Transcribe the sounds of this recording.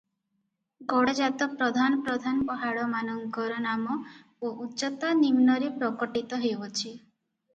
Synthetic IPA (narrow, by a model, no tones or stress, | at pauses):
ɡɔɽɔd͡ʒat̪ɔpɾɔd̪ʱanɔpɾɔd̪ʱanɔpɔɦaɽɔmanɔŋɡɔɾɔnamɔ | oʔut͡ʃɔt̪animnɔɾepɾɔkɔʈit̪ɔɦewɔt͡ʃʰi